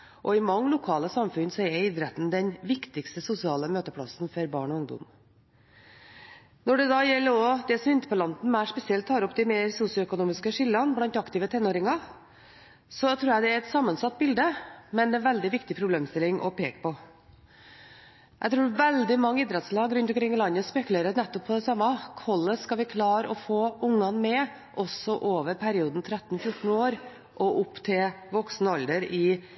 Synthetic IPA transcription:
ʔɔɪmɑŋːlʊkʰɑːləsɑmfʉnsɔɛɾid̪ɾɛt̪n̩d̪ɛnʋɪkt̪ɪkst̪əsʊsɪɑːləmøːt̪əpʰɽɑ̰snfɔɾbɑ̰ːɳɔʊŋd̪ɔ̰m | nɔɖɛd̪ɑjɛlːəɾɔd̪ɛsɔmɪnt̪əpʰɔlɑnd̪n̩mæɪʂpɛsɪɛlt̪ʰːɑːɾɔpd̪ɪmeːɾsusɪʊœkʊnuːmɪskəʂɪlːɑnblɑnt̪ɑkt̪ɪːʋət̪ʰɛnːoːɾɪŋɑ | sɔt̪ʰɾuːjæd̪ɛæɾɛt̪sɑmːənsɑt̪̚ːbɪld̪əmɛnd̪ɛnʋɛld̪ɪʋɪkt̪ɪpʰɾʊbleːmst̪ɪlːɪŋʔɔ̰pʰeːkə̥pʰɔ | ʔæɡt̪ɾuːʋɛld̪ɪmɑŋːəiːd̪ɾɛt̪slɑːɡɾʉnt̪ɔmkʰɾɪŋːlɑnːəspɛkʉleːɾənɛt̪ːɔpʰːɔd̪ɛsɑmːɑkʰɔlːəskɑʋɪkʰlɑːɾɔfoːʊŋːɑnmɛ | ʔɔsɔʔoːʋəɾpʰæɾɪuːd̪n̩t̪ʰɾæt̪ːn̩fjʊʈn̩oːɾ | ʔɔʔʊpːt̪ʰɪlʋɔksnəɑld̪əɾɪ

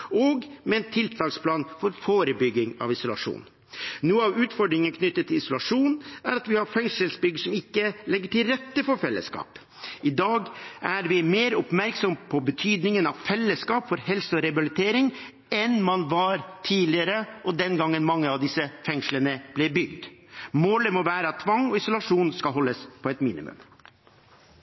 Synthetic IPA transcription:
ɔɡmɛɛnt̪ʰɪlt̪ʰɑːkspʰlɑːnfɔɾfoːɾəbʏɡːɪŋɑ̰ʋɪsʊlɑ̰ʂṵːn | nuːəɑʋʉːt̪fɔɖɾɪŋənkʰnʏt̪ːət̪ʰːɪlɪsʊlɑʂuːnæɾɑt̪ʋɪhɑɾfɛŋʂəlsbʏɡəsɔmɪkːəlɛɡːəʈɪlɾɛt̪ːəfɔɾfɛlːə̰skɑ̰ːp | ɪd̪ɑːɡʔæɾʋɪmeːɾʊpmæɾksɔmpʰɔbət̪ʰyːd̪nɪŋənɑʋfɛlːəskɑːpfɔɾhɛlsəɔɾɛbɪlɪt̪ʰeːɾɪŋ | ɛnmɑnʋɑɾt̪ʰiːlɪəɾəʔɔd̪ɛnɡɑŋːənmɑŋːəɑʋd̪ɪsəfɛŋʂlənəb̥lɛbʏɡd̪moːləmɔʋæːɾət̪ʰːʋɑŋɔɪsʊlɑʂuːnskɑlɦɔlːəspʰɔɛt̪mḭːnɪ̰mʉ̰m

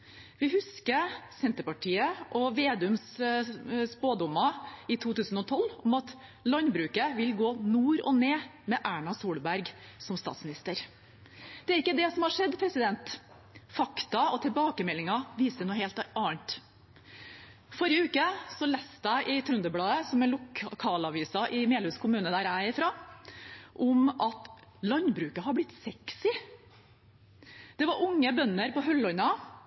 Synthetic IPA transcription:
ʋɪhʉskəsɛnt̪əɾpɑʈʰiːəʔɔʋeːd̪ʉms | spoːd̪ʊmːɑɪt̪ʰuːt̪ʉːsn̩ɔt̪ʰɔlːɔmɑt̪ | lɑnbɾʉːkəʋɪlɡoːnuːɾɔ̰neːmɛʔæːɳɑsuːlbæɾɡsɔmst̪ɑ̰ːt̪smɪnɪst̪əɾ | d̪̥ɛæɾɪkːəd̪ɛsɔmhɑʂɛd̪pʰɾɛsɪd̪ɛnt̪ | fɑkt̪ɑɔt̪ʰɪlbɑːkəmɛlːɪŋɑʋiːsənuːheːlt̪ɑɳt̪ | fɔɾjəʉːkəsɔlɛst̪æɪʔɪt̪ʰɾʉnd̪əblɑːəsɔmɛnʊkʰɑːlɑʋiːsɑʔɪmeːlʉːskʰʊmʉːnəd̪æːɾæɪfɾɑː | ʔɔmʔɑt̪ | lɑnbɾʉːkəɦɑɾblɪt̪ːsɛksɪ | d̪̥ɛʋɑɾʊŋːəbœnːəɾpɔɦœlːɔnɑ

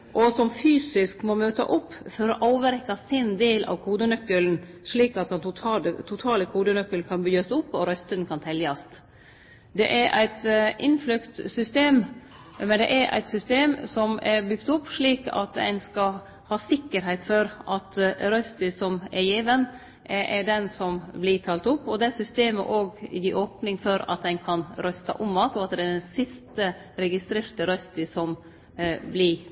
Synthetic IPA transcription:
ʔɔsɔmfyːsɪskmɔmøːt̪ɑ̰ʔʊpːfɔɾɔʔɑːʋəɾɛkːɑsɪnd̪eːlʔɑ̰ʋkʰuːd̪ənœkːəln̩ʂɭiːkɑt̪̚d̪ɛnʊt̪ʰɑːlət̪ʰʊt̪ʰɑːləkʰuːd̪ənœkːəlkʰɑnbyːɑsʊpːɔɾœst̪ənkʰɑnt̪ʰɛljɑst̪ | d̪ɛ̰ʔæɾʔæ̰ɪt̪ʔɪnflʉkt̪sʏst̪eːm | mɛnd̪ɛ̰ʔɛɾʔæ̰ɪt̪sʏst̪eːmsɔmɛɾbʏɡt̪ʊpːʂɭiːkɑ̰t̪æ̰ɪnskɑ | hɑːsɪkːəɾɦɛɪt̪fɔɾʔɑt̪ɾœst̪ʏsɔmɛɾjiːʋən | ʔʔɛɖɛnsɔmblɪʈ̪ʰɑːlt̪ʊpːɔd̪ɛsʏst̪eːmə̰ʔoːɡɪ̰d̪iʔoːpnɪŋfɔɾɑ̰t̪̚d̪ɛnkʰɑnɾœst̪ɑ̰ʔʊmɑːt̪ɔɑt̪̚d̪ɛæɖɛnsɪst̪ə | ɾɛɡɪst̪ɾeːɾt̪əɾœst̪əsɔm | blɪ

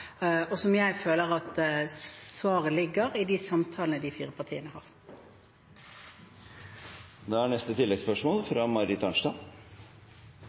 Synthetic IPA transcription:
ɔsɔmjæɪføːləʁɑt̪ | sʋɑːʁəlɪɡəʁɪd̪ɪsɑmt̪ʰɑːlənəd̪ɪfiːʁəpʰɑʁt̪ʰḭːənəhɑ̰ːʁ | d̪ɛæɳɛst̪ət̪ʰɪlːɛɡspœʂmoːlfɾɑːmɑɾɪt̪ʰɑnʂt̪ɑ

